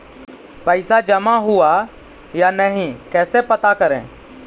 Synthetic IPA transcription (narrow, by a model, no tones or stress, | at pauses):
pəɪsad͡ʒəmaɦʊa | janəɦĩkɛːsepət̪akəɾḛ̃ː